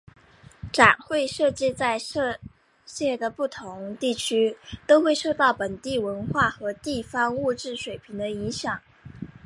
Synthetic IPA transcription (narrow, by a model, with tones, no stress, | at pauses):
ʈ͡ʂa˨˩nxwe˥˧ɪʂɤ˥˧t͡ɕi˥˧t͡sa˥˧ɪʂ | ɕjɛ˥˩d̪ə˩pu˥˩t̪ʰʊ˧˥ŋt̪i˥˩t͡ɕʰy˥t̪o˥ʊxwe˥˧ɪʂo˥˧ʊt̪ɑ˥˩ʊpə˨˩nt̪i˥˩wə˧˥nxwa˥˩xɤ˧˥t̪i˥˩fɑ˥ŋu˥˧ʈ͡ʂɻ̩˥˩ʂwe˨˩ɪpʰi˧˥ŋd̪ə˧i˧˥ŋɕjɑ˨˩˦ŋ